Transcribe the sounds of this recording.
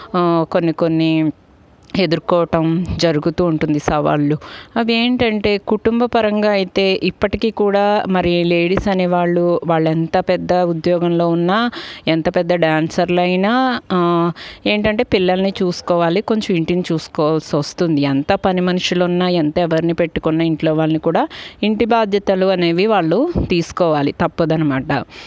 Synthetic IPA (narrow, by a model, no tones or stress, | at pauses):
ko̞nːiko̞nːi | e̞d̪uɾkɔːɐʈɐmd͡ʒɐɾuɡut̪uːɳʈund̪isɐʋa̰ːɭːuɐʋie̞ːɳʈɐɳʈe̞ːkuʈumbɐpɐɾɐŋɡaːɐjit̪e̞ːʔipːɐʈikiːkuːɽaːmɐɾileːɽisɐneʋaːɭːuʋaːɭːɛnt̪ɐpɛd̪ːɐud̪jɔːɡɐmlo̞ːunːaːɛnt̪ɐpɛd̪ːɐɖaːnsɐɾlɐjnaː | e̞ːɳʈɐɳʈe̞ːpilːɐlɐnit͡ʃuːsu̥kɔːʋaːliko̞ɲt͡ʃɐmiɳʈinit͡ʃuːsu̥kɔːʋalsʋɐst̪und̪iɛnt̪ɐpɐnimɐnuʂilounːaɛnt̪ɐɛʋɐɾinipe̞ʈːukɔnːɐiɳʈlo̞ːʋaːɭɐnikuːɽaːiɳʈibaːd̪ʱjɐt̪ɐluɐne̞ːʋiʋaːɭːut̪iːsu̥kɔːʋaːlit̪ɐpːɐd̪ɐnɐmaːʈɐ̰